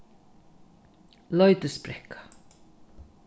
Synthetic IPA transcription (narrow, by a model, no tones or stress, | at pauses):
lœʏt̪əspɾɛkḁ